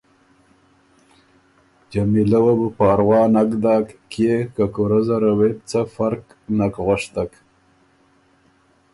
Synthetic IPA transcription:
d͡ʒamilawabəpɑːɾwɑːnakd̪ɑːkːjekakoɾazaɾawet̪t͡safaɾk | nakɣaʂt̪ak

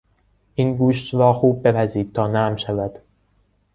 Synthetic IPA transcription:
ʔinɡuːʃt̪ɾɒːxuːb̚ːepʰæziːd̪̥̚t̪ʰɒːnæmʃævæd̪̥

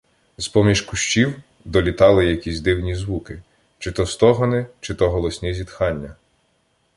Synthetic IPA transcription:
zpɔmʲiʃkʊʃt͡ʃiw | d̪ɔlʲit̪ɑlˠɪjɐkʲizʲd̪ɪwnʲizʋukɪ | t͡ʃɪt̪ɔst̪ɔɦɔnɪt͡ʃɪt̪ɔɦɔlˠɔsʲnʲizʲid̪xɑnʲːɐ

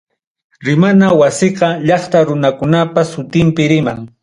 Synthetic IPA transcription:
ɾɪmanawasɪqɑʎɑχt̪aɾʊnakʊnapasʊt̪ɪmpɪɾɪmaŋ

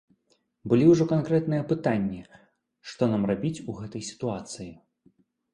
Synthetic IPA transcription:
bɨlʲiwʐɔkankɾɛt̪nɨjɐpɨt̪anʲːi | ʂt̪ɔnamrabʲit͡sʲuɣɛt̪ɐjsʲi̥t̪uat̪sɨji

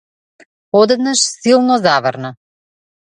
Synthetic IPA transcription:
ɔd̪ɛd̪naʃsilˠnɔzavəɾna

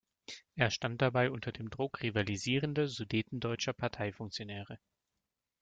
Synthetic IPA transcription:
ʔeːɐʃtant̚d̥abaɪʔʊntɐdeːmdʁʊkʁ̥ivaliziːʁəndɐzudeːtn̩dɔʏt͡ʃɐpʰaɐtʰaɪfʊŋk̚t͡sjonɛːʁ̞ə

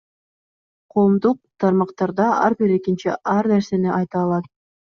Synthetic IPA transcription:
qʰo̞ːmd̪uq̚t̪ʰɑɾmɑqt̪ɑɾd̪ɑɑ̰ɾbiɾe̞kint͡ʃiʔɑɾneɾse̞niʔɑjt̪ɑːlˠɑt̪̚

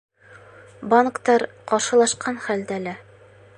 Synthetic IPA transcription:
baŋkt̪ɑɾ | qɒɾʃɤ̆lˠɑʃqɑnχæld̪ælæ

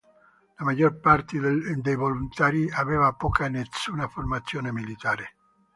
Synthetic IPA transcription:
lamaʎːorpart̪ed̪ejvolunt̪aːɾiaveːvapɔːkanesuːnaformat̪sːjoːnemilit̪aːɾe

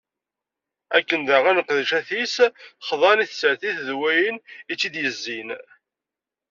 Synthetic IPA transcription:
ækːənd̪əʁænəqːðʃæθisχðˤɑniθsəʕθiθðwæjənit͡sːid̪jəzːin

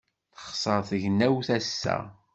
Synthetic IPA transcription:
θə̥χsˤəɾˤθəʝnæwθæsːæ̰

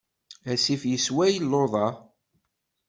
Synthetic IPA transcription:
æsifjəswæjlːoðˤɑ

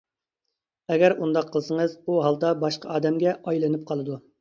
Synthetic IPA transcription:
ɛɡʲæɾund̪ɑqʰːəlˠsəŋəzuɦɑlˠd̪ɑbɑʃqʰɑʔɑːd̪ɛmɡʲɛʔɑjlˠɨnɨp̚qʰɑlˠɨd̪u

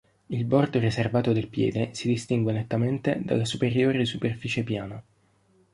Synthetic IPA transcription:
ilbɔrd̪oɾiservaːt̪od̪elpjɛ̰ːd̪esid̪ist̪iŋɡwenet̪ːament̪ed̪a̰lːasupeɾjoːɾesuperfiːt͡ʃepjaːna

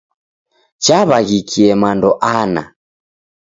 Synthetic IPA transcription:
t͡ʃaβaɣikʰiɛmandɔʔana̰

